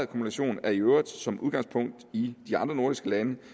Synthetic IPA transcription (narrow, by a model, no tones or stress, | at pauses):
ðˠkʰomunæɕo̝̰ːnæɐiøʊ̰ɐd̥ˠsɒ̽mʔuðˠɡ̥ɑ̈ŋspʰɔ̽ŋ̰d̥id̥iɑ̈nd̥ʁɐno̝ɐd̥isɡ̥əlænə